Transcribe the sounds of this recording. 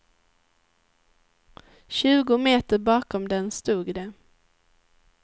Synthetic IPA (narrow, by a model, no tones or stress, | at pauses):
ɕʉ̟ːɡʊmeːt̪əɾbɑːkɔmd̪ɛnst̪uːɡd̪ɛ